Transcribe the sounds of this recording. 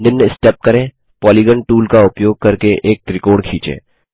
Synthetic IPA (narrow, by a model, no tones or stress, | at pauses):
ɪnːesʈɛːp̚kɐɾẽː | pɔːlɪɡəɳʈuːlkaʊpjoːɡ̚kɐɾkeʔeːk̚t̪ɾɪkoːɽkʰiːt͡ʃḛ̃ː